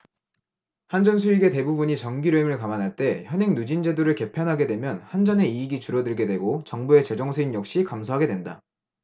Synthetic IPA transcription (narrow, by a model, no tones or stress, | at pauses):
hand͡ʑʌnsʰuiɡe̞te̞bubuɲit͡ɕʌnɡiɾeimɯɭkamanɦaɭt͈e̞çjʌnɦe̞ŋnud͡ʑind͡ʑe̞doɾɯɭke̞pʰjʌnɦaɡe̞dwe̞mjʌnhand͡ʑʌne̞iːɡit͡ɕuɾʌdɯɭɡe̞dwe̞ɡot͡ɕʌŋbue̞t͡ɕe̞d͡ʑʌŋsʰuinjʌk̚ɕ͈ikamsʰoɦaɡe̞dwenda̰